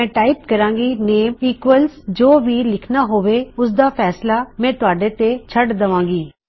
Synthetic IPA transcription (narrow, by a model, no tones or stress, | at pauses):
ɛ̃ːʈaːɪp̚kəɾãːŋɡiːneːmiːkʋəlsd͡ʒoːʋiːlɪkʰnaːɦoːʋeːʊsd̪aːpʰɛːslaːmɛ̃ːt̪ʊaːɖeːt̪et͡ʃʰəɖd̪əʋãːŋɡiː